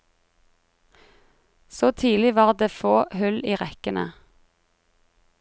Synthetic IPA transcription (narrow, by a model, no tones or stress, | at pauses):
soːt̪ʰiːlɪʋɑːʁd̪eːfoːhʉliːʁɛkənə̰